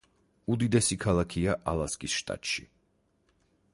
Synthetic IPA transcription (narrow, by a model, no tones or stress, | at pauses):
ud̪id̪ɛsikʰalˠakʰiaʔalˠaskʼisʃt̪ʼa̰t̪ʼʃḭ